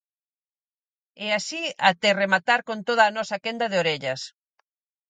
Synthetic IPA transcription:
ɛasiat̪eremat̪aɾkont̪oð̞aːnɔsɐkɛnd̪ɐð̞eoɾeʎɐs

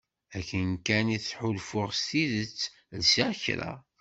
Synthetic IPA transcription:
ækːənkæniθħʊlfʊʁst̪iðət͡sː | lsaɾçɾa̰

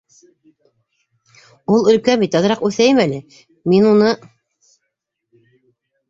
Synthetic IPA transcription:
ulˠɵ̆lkæmbit̪ɑðɤ̆ɾɑqʉθæjɘmælɘ | minunɤ

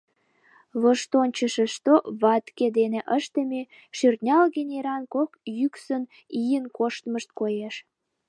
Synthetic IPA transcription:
βoʃt̪onʲt͡ɕəʃeʃt̪oβɑt̪ked̪eneʔəʃt̪əme | ʃyrt̪nʲɑlɣenʲeɾɑnkokjyksən | ijənkoʃt̪məʃt̪̚kojeʃ

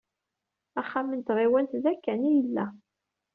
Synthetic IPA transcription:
æχːamənt̪ʁiwænθðækːænijəlːæ

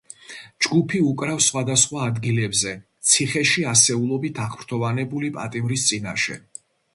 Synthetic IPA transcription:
d͡ʒɡupʰiukʼɾafsχwad̪asχwaːd̪ɡilɛbzɛt̪sʰiχɛʃiasɛulˠɔbit̪ʰaχmɾt̪ʰɔvanɛbulipʼa̰t̪ʼimɾist̪sʼinaʃɛ̰

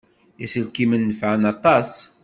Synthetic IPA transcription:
isəlkimənːəfʕənɑt̪ˤɑs

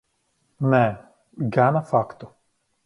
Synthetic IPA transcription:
nɛ | ɡanafakt̪ɔ

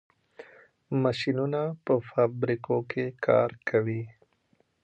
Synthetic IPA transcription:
maʃinunapəfabɾikokʰekʰɑ̰ɾkʰawi

